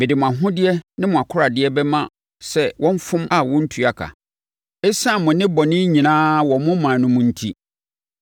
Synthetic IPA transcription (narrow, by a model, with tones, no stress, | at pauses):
mɪ˨dɪ˨mʊ̃˨a˨ɦʊ̃˦dɪ˦ɛ˦nɪ̃˦mʊ̃˨a˨kʰʊ˦ɾa˨dɪ˦ɛ˦bɛ˦mã˦ | sɛ˦wʔɔ̃˦m˦fʊ̃˦mʔa˦˨wɔ̃˦n̩˦tʰu˨a˨kʰa̰˨ | ɛ˦sã˦˨mʊ̃˨nɪ̃˦bɔ˨nɪ̃˦ɲĩ˨nãː˦wɔ˨mʊ̃˦mã˨nʊ̃˦mʊ̃˦n̩˦˨tʰi˦